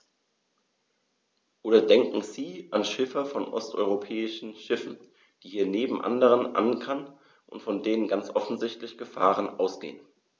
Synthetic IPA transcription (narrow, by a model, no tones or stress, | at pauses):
ʔoːdɐdɛŋkŋ̩ziːʔanʃɪfɐfɔnʔɔ̰stʔɔ̰ʏʁopʰɛːɪʃn̩ʃɪfn̩ | d̥iːhiːɐneːbm̩ʔa̰ndəʁ̞ənʔa̰nkʰan | ʔʊ̰ntfɔndeːnənɡant͡sʔɔfn̩zɪçtlɪçɡ̥əfa̰ːʁ̞ənʔa̰ʊsɡ̥ḛːən